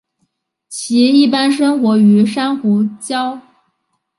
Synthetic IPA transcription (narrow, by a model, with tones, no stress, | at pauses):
t͡ɕʰi˧˥i˥˩pa˥nʂɤ˥ŋxwɔ˧˥y˧˥ʂa˥nxu˧˥t͡ɕjɑ˥ʊ